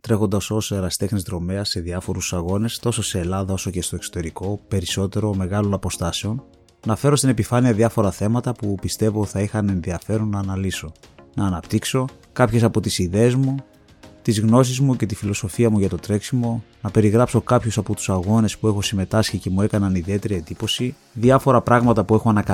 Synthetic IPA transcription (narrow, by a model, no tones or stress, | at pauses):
t̪ɾe̞xo̞nd̪ɐso̞seɾɐst̪e̞xnizt̪ɾo̞me̞ɐse̞ðiɐfo̞ɾusɐɣo̞ne̞st̪o̞so̞se̞ːlɐðɐo̞so̞ce̞st̪o̞ekso̞̥t̪e̞ɾiko̞pe̞ɾiso̞t̪e̞ɾo̞me̞ɣɐlo̞nɐpo̞st̪ɐse̞o̞n | nɐfe̞ɾost̪ine̞pifɐniɐðiɐfo̞ɾɐθe̞mɐt̪ɐpupist̪e̞voi̥θɐixɐne̞nðiɐfe̞ɾonːɐːnɐliso̞nɐːnɐpt̪ikso̞ | kɐpçe̞sɐpo̞t̪isiðe̞ːzmu | t̪izɣno̞s̬izmuce̞t̪ifilo̞so̞fiɐmuʝɐt̪o̞t̪ɾe̞ksimo̞nɐpe̞ɾiɣɾɐpso̞kɐpçusɐpo̞t̪u̥sɐɣo̞ne̞spue̞xo̞sime̞t̪ɐsçice̞mue̞kɐnɐniðie̞t̪e̞ɾiend̪ipo̞si | ðiɐfo̞ɾɐpɾɐɣmɐt̪ɐpue̞xoɐnɐkɐ